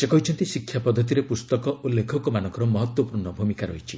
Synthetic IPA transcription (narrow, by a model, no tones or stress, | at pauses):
sekɔɦit͡ʃʰɔnt̪isikʰːjapɔd̪ʱːɔt̪̬iɾepust̪ɔkɔʔulːekʰɔkɔmanɔ̃ŋkɔɾɔmɔɦɔt̪wɔpuɾnɔbʱumikaɾɔ̰ɦit͡ʃʰi